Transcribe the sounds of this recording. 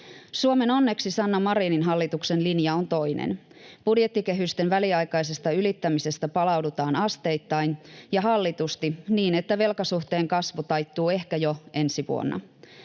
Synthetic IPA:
suome̞nonːe̞ksisɑnːomɑɾiːninɦɑlːit̪ukse̞nlinjɑont̪o̞jnḛn | b̥udjet̪ːike̞ɦyst̪e̞nʋæliɑjkɑjse̞st̪ɑylit̪ːæmise̞st̪æpɑlɑwdut̪ɑːnɑst̪e̞jt̪ːɑinjɑɦɑlːit̪ust̪iniːne̞t̪ːæʋe̞lkɑsuht̪e̞ːŋkɑsʋut̪ɑjt̪ːuːe̞hkæjo̞e̞nsiʋṵo̰nːɑ̰

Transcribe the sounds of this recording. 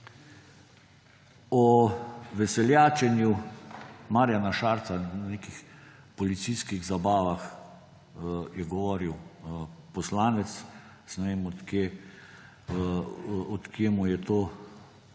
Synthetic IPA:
ɔʋɛsɛljaːt͡ʃɛnju | maːɾjanaʃaːɾt̪saneːkix | pɔlit̪siskiɣzabaːʋax | jɛɡɔʋɔːɾiw | pɔslaːnɛt̪s | snɛʋeːmɔt̪keː | ɔt̪kjeːmujɛt̪oː

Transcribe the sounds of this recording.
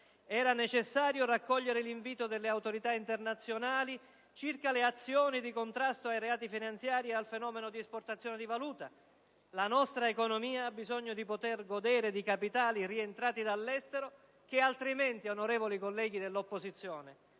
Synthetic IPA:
ɛːɾanet͡ʃesːaːɾjorakːɔʎːeɾeliɱviːt̪od̪elːeawt̪oɾit̪aint̪ernat̪sːjonaːli | t͡ʃirkaleat̪sːjɔːnid̪ikont̪ɾast̪oajɾeaːt̪ifinant̪sjaːɾiealfenɔːmenod̪iɛsport̪at̪sːjɔːned̪ivaluːt̪a | lanɔst̪ɾaekonomiːaabːizɔɲːod̪ipot̪erɡod̪eːɾed̪ikapit̪aːlirient̪ɾaːt̪id̪alːɛst̪eɾo | k̟ealt̪ɾiment̪ionoɾɛːvolikolːɛːɡ̟id̪elːopːozit̪sːjɔːne

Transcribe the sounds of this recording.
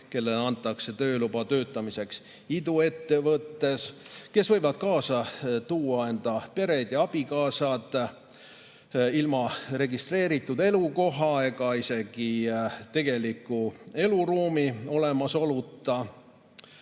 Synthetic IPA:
ke̞lːe̞lɑnt̪ːˑɑkse̞t̪ø̞ːlub̥ɑt̪ø̞ːt̪ːˑɑmise̞ks | id̪̥ue̞t̪ːe̞vɤt̪ːe̞ske̞svɤjvɑd̪̥kɑːsɑt̪uːɑe̞nd̪̥ɑpe̞ɾed̪̥jɑɑb̥ikɑːsɑd̪̥ | ilmɑre̞ɡist̪re̞ːɾit̪ˑːud̪e̞luko̞ɦɑe̞ɡɑise̞ɡ̥it̪e̞ɡ̥e̞likːˑue̞luɾuːmio̞le̞mɑso̞lut̪ːˑɑ

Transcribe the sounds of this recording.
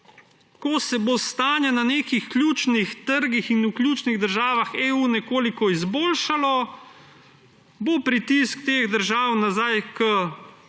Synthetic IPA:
kɔsɛbost̪aːnjɛnaneːkixklʲjuːt͡ʃnixt̪əɾɡixinuklʲjuːt͡ʃniɣd̪əɾʒaːʋaxeːunɛkoːlikɔizboːlʃalɔ | bopɾit̪iskt̪eːɣd̪əɾʒaːwnazajkə

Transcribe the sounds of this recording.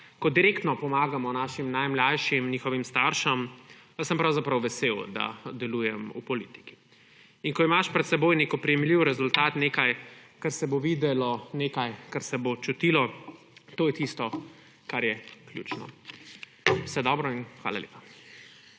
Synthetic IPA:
kɔd̪iɾeːkt̪nɔpɔmaːɡamɔnaːʃimnajmlajʃimniːxɔʋimst̪aɾʃɐm | əsəmpɾawzapɾɐwʋɛseːwd̪a̰d̪ɛluːjɛmṵpɔlit̪i̥ki̥ | inkɔimaʃpɾɛt̪sɛboːjneːkɔpɾijɛmliwɾɛzult̪aːt̪neːkajkaɾsɛboʋiːd̪ɛlɔneːkajkaɾsɛbot͡ʃut̪ilɔ | t̪oːjɛt̪ist̪ɔ | kaɾjɛklʲjṵːt͡ʃnɔ̰ | wsɛd̪ɔbɾɔinxʋa̰ːla̰lḛːpa

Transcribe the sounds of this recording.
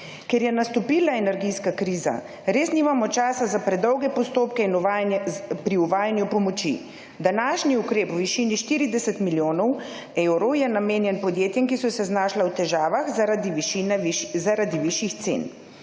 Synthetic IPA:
kɛɾjɛnast̪ɔpiːlnaɛnɛɾɡijskakɾiːza̰ | ɾeːsnimamɔt͡ʃaːsazapɾɛd̪ɔwɡɛpɔst̪oːpkɛin | pɾiuʋaːjanjupɔmɔt͡ʃḭ | d̪anaːʃniukɾeːpwʋiʃiːniʃt̪iːɾid̪ɛsɛt̪miljoːnɔw | ewɾɔwjɛnameːnjɛnpɔd̪jeːt̪jɛmkisɔsɛznaːʃlawt̪ɛʒaːʋaxinɛzaɾad̪iʋiʃjixt̪sḛn

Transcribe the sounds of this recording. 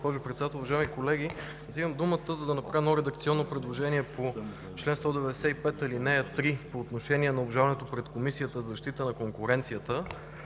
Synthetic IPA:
spɔʒʊpɾɛt̪sd̪at̪lˠʊvɐʒaimikolɛɡi | ziməmd̪umət̪əzɐd̪ɐnɐpɾavənɔɾɛd̪əkt̪siɔnːopɾɛd̪lˠoʒɛniɛpo | t͡ʃlɛnst̪ɔd̪ɛvɛd̪ɛsɛipɛt̪ilinɛt̪ɾipoːt̪noʃɛniɛnɐobʒavɐnɛt̪opɾɛt̪komisijət̪əzzɐʃt̪it̪ənɐkoŋkʊɾɛnt̪sijət̪ə

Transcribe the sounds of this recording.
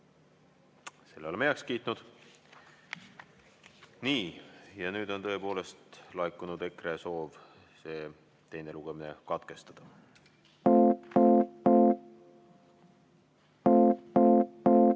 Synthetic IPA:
se̞lːeolemejɑkskiːt̪ˑnud̪̥ | niːjɑnyːd̪̥o̞nt̪ɤ̞epo̞ːle̞st̪lɑjkːˑunud̪̥e̞kreso̞ːv | se̞ː | t̪e̞jne̞luɡ̥emine̞̰kɑt̪ke̞st̪ɑd̪̥ɑ

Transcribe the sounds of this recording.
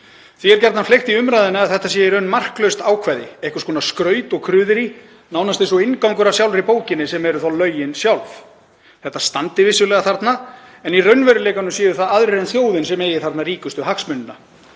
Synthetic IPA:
θiɛɾcɛɾt̪naflext̪iʏmɾajðɪnaaðθɛht̪ːasjɛjɪɾœnːmar̥klœɥst̪aːwkʰvajðɪehkʏ̥skʰɔːnaskɾœːɥt̪ɔɣkʰɾʏːðɪɾi | naːwnast̪ejnsɔɪnkawŋkʏɾḁsjawlvɾipoːwcɪnːɪsɛmɛɾʏθalœːɥjɪnsjawlf | θɛht̪ːast̪ant̪ɪvɪsjʏlɛːɣaθaɾt̪naɛnirœɥnvɛɾʏlejkanʏmsjɛːðʏθaðaðɾɪɾɛnθjoːwðɪnsɛmeːjɪθaɾt̪nariːkʏst̪ʏɦaksmʏnːʏna

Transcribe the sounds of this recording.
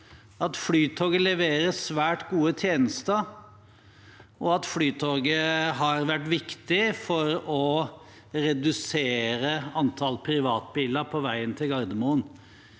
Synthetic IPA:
ɑt̪flyːt̪ʰoːɡəlɛʋeːɾəsʋæːʈɡuːət̪ʰjeːnəst̪ə | ʔɔɑt̪flyːt̪ʰoːɡəɦɑɾʋæʈːʋɪkt̪ɪfɔɾɔ | ɾɛd̪ʉseːɾəɑnt̪ʰɑlpʰɾɪʋɑːt̪̚biːləɾpʰɔʋæɪənt̪ʰɪlɡɑɾd̪əmuːən

